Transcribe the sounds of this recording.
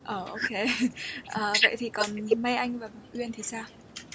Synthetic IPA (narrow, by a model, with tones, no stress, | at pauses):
ʔəː˨˩ʔo˧ke˨˦ʔəː˨˩və̰˧˨jt̪ʰi˨˩kɔ˨˩nma˧jʔa˧jŋ̟vaː˨˩ɓa̰˧˨ʔwi˧ənt̪ʰi˨˩saː˧w